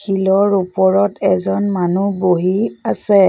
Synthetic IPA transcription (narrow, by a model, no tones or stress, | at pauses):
xilɔɹupɔɹɔtʰɛzɔnmanuboɦiasɛ